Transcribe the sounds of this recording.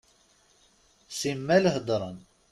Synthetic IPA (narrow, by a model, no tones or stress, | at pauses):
simːælhd̪ˤɾˤən